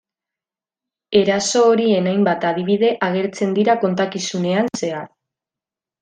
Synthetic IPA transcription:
e̞ɾaso̞ːɾie̞najmbat̪aðiβ̞iðe̞ʔaɣ̞e̞ɾt͡se̞nd̪iɾako̞nt̪akisune̞anse̞aɾ

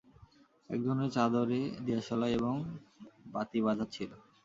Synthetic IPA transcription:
ɛ̰k̚d͡ʑonːeɾt͡ɕad̪oɾed̪iaʃɔlaeboŋbat̪iβad͡ʑʱat͡ɕʰilo

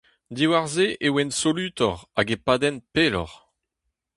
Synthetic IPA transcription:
d̪iwaʁzeʔewɛnsolyːt̪ɔʁaɡepaːd̪ɛnpeːlɔ̰ʁ

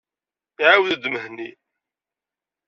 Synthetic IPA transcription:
iʕawðəd̪məɦni

